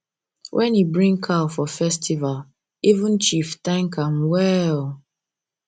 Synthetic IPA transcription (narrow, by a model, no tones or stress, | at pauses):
wʔɛ̃nibɹĩŋkʰalfɔfɛstival | ivũnt͡ʃiftãŋkamwɛl